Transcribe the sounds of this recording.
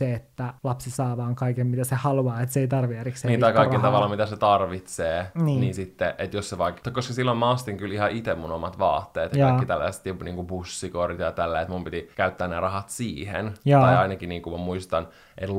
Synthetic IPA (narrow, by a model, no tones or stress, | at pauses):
eet̪ːælɑpsisɑːʋɑːŋkɑikemmit̪æsehɑluɑːet̪seit̪ɑrʋierikseniːt̪ɑikɑikelt̪ɑʋɑlːɑmit̪æset̪ɑrʋit̪seːniːninsit̪ːeʔet̪josseʋɑːkt̪ɑkoskɑsilːomɑɑst̪iŋkylihɑʔit̪emmunomɑt̪ʋɑ̰ːt̪ːeːt̪jɑɑikːit̪ælːæ̰sst̪joniːŋkubusːikorit̪jɑt̪ælːæet̪mumpit̪ikæyt̪ːæːnærɑɦɑt̪siːhḛnj̪ɑjɑinɑkiniːŋkumɑmuist̪ɑn | ʔet̪